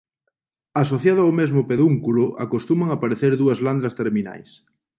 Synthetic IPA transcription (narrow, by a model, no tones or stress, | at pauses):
asoθjað̞ʊawmezmʊpeðuŋkulʊʔa̰kost̪umaŋapaɾeθeɾðuɐzland̪ɾɐst̪eɾmina̰js